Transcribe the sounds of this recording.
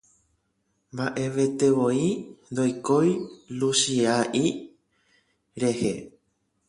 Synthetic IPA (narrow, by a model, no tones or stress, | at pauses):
mbaʔe̞ʋe̞t̪e̞ʋo̞ind̪ojkojluʃiaʔi | ɾe̞he